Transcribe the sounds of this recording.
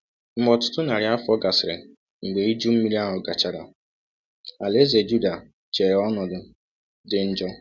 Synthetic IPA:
m̩˦mɔ˨tʊ̥˦tʊ˦na˨ɾɪ˨˦a˦fɔ˦ɡa˨sɪ˨ɾɪ̰˨ | ŋ̩˨ɡ͡be˨i˦d͡ʒu˦m̩˦mi˦ɾi˦a˦ɦʊ˨ɡa˨t͡ʃa˨ɾa˨ | a˨le˦ze˨d͡ʒu˦da˨ | t͡ʃe˨ɾɔ˦nɔ˨dʊ˨ | dɪ˦n̩˦d͡ʒɔ˦

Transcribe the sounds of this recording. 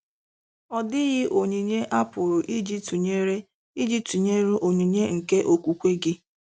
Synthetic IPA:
ɔ˨dɪ˦ɣɪ˦ʔo˨ɲi˨ɲe˦ʔa˦pʊ˨ɾʊ˨ʔi˦d͡ʒi˦tu˨ɲe˦ɾe˦ | i˦d͡ʒi˦tu˨ɲe˦ɾu˦ʔo˨ɲi˨ɲe˦ŋ̩˨ke˦ʔo˨kʷu˨kʷe˦ɡɪ˦

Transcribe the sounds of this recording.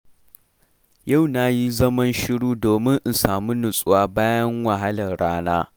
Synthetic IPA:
ja˦˨wna˦ji˦zɐ˦mɐ˦nʃɪ˦ɽuː˦doː˨mɪ˦ŋʔɪ˨saː˨mu˦nʊ˨sʼʊ˦waː˦baː˦jɐ˦ŋwɐ˨ɦa˦lɐ˨nɽaː˦naː˦

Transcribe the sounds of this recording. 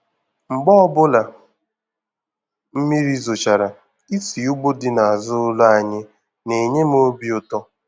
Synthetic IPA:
ŋ͡m̩˨ɡ͡bɔ˦ɔ˦bʊ˦la˨ | m̩˦mi˦ɾi˦zo˨t͡ʃa˨ɾa˨ | i˦si˨u˦ɡ͡bo˦dɪ˦na˨a˨zʊ˦ʊ˦lʊ˦a˨ɲɪ˦ | ne˨ɲe˦m̩˦o˦bi˦ʊ˦tɔ˦

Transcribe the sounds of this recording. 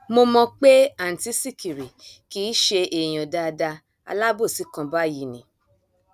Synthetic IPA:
mo˧mɔ̃˧k͡pe˦a˦˨n̩˨ti˨˦si˦˨ki˨ɾi˨kiː˨˦ʃe˧ʔe˨j̃ɔ̃˨da˧da˧ | a̰˧la˦bo˦˨si˨˦kã˧ba˦˨ji˨˦nĩ˨

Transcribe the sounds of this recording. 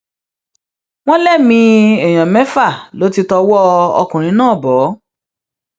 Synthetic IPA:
w̃ɔ̃˦lɛ˦˨mĩ˧ɛ˨j̃ã˨mɛ˨˦fa˦˨lo˨˦ti˧tɔ˧wɔ˦ɔ̰˧kũ˨ɾ̃ĩ˧˦nãː˦˨bɔ˨˦

